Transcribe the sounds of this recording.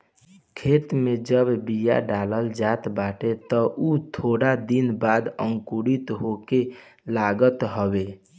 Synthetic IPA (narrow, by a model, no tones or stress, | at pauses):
kʰet̪med͡ʒəbbija̰ɖaləld͡ʒat̪baʈet̪əʔut̪ʰoɽad̪inbad̪əŋkuɽit̪ɦoke | laɡət̪ɦəbe